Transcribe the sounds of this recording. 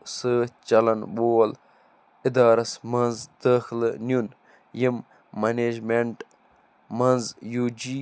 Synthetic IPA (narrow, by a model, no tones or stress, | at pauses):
sɨt͡ʃɐlɐnboːɐl | id̪aːɾɐsmɐnzd̪̥aːxilnjun | jimː | ɐneːd͡ʒmeɳʈ | mɐnzjuːd͡ʒi